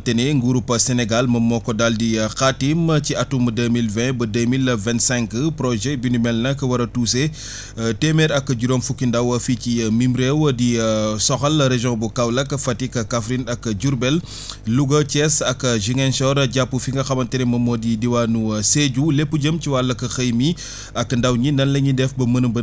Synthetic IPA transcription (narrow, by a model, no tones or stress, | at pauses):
tɛnɛŋɡuɾupːɐsɛnɛɡalmɐmːɔkːɔdaldixatimciʔɐtːumədəmilvɛ̃bɐdəmilvɛntsɛ̃ŋkəpɾɔʒɛbinimɛlnɐkɐwɐɾɐtuse | tɛmɛɾɐkːɟuɾɔːmfukːindɐwɐficimimɾewɐdisɔxɐlɾeʒɔ̃bukɐwlɐkɐfɐtikɐkafɾinɐkːɐɟuɾbɛl | luɡɐt͡ʃɛsɐkːɐʒiŋɛnsɔɾɟapːufiŋɡɐxɐbɐntɛɾimɐmɔdidiwanuseɟulepːuɟəmciwalːɐkɐxɐjmi | ɐkːndɐwɲinɐnlɐɲindɛfbɐmənəmbə